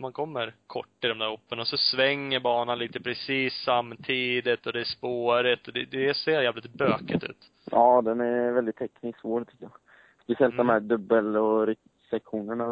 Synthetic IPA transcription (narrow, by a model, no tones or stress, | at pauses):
mankʰɔmːəɾkʰɔ̰ʈːɪld̪ɔmd̪æːɾɔpːənaɔsɔsvɛŋːəɾbɑːnanliːt̪əpʰɾɛsiːsːamːt̪ʰiːd̪ɪt̪ɔd̪ɛæʂpoːɾɪt̪ɔd̪ɛd̪ɛseːɾjæːvlɪt̪bøːkət̪ʉ̟̰ːt̪ | ɑːd̪ɛnæɾvɛld̪ɪt̪ʰːɛknɪsvoːɾt̪ʰʏ̥kːəjɑ | spɛsɪɛlt̪d̪ɔmhæːɖ̪ɵbːəlɔɾɪk | sɛkɧuːnəɳa